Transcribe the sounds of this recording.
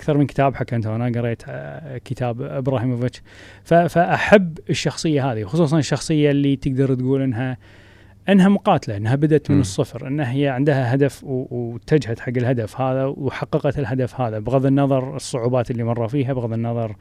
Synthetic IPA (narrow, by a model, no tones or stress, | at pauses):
ʔakθɑɾˤmɪnkɪ̥t̪aːbħakːʔɪnt̪aʔanaɡɑɾˤeːt̪kɪt̪aːbɪbɾaːhiːmvɪt͡ʃ | fafaʔaħabːɪʃːɑxsˤɨjːaɦaːðiwxʊsˤuːs̬ˤɑnɪʃːɑxsˤɨjːalːit̪ɪɡd̪ɑɾˤt̪ɡuːlʔɪnːɦa | ʔɪnɦamʊqɑːt̪alaʔɪnːɦabad̪ʔat̪mənɨsˤːɨfɾʔɪ̰nːahjaʕɪnd̪haɦad̪afwwt̪ːad͡ʒhat̪ħaɡːɪlɦad̪afhaːðawħɑqːɑqɑt̪ɪlɦad̪afhaːðabɣaðˤɪnːɑðˤɑɾˤɨsˤːʊʕuːbaːt̪ɪlːimɑrˤːɑfiːɦabɣaðˤɪnːɑðˤɑɾˤ